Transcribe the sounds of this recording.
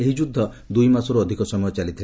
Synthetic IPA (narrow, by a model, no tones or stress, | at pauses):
eɦid͡ʒud̪ʱːɔ | d̪ujmasɔɾuɔd̪ʱikɔsɔmɔjɔt͡ʃalit̪ʰil